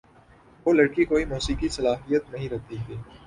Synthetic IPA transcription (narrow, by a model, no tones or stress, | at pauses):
ʋoːlɐɽkikoːimuːsiːkisɐlaːɦijət̪nɐɦĩɾɛɦt̪it̪ʰiː